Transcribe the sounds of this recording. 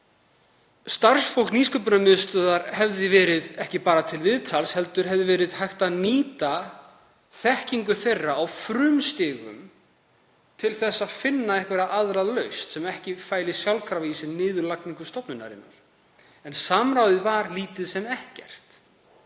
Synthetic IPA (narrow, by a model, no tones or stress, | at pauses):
st̪arsfowlkniːskʏp̬ʏnamɪðst̪œːðaɾhɛvðɪvɛːɾɪðɛhcɪpaːɾat̪ʰɪlvɪðt̪ʰalshɛl̪t̪ʏɾ̥ɦɛvðɪvɛːɾɪðhajht̪aðniːt̪a | θɛhciŋkʏθejrːaːwfɾʏmst̪ɪːɣʏ̰m | t̪ʰɪlθɛsːaðfɪnːaɛhkvɛɾaʔaðɾalœɥst̪sɛmɛhcɪfaːjlɪsjawlkʰɾaviːsɪnnɪːðʏlak̚niŋkʏ̥st̪ɔpnʏnːa̰ɾɪ̰nːa̰ɾ̥ | ɛnsaːmɾawðɪðvaɾliːt̪ɪðsɛmɛhcɛ̰r̥t̪